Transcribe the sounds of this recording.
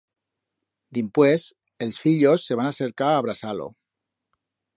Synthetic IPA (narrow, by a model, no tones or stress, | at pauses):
d̪impwes | elsfiʎo̞sːe̞β̞anaseɾkaːβ̞ɾasalo̰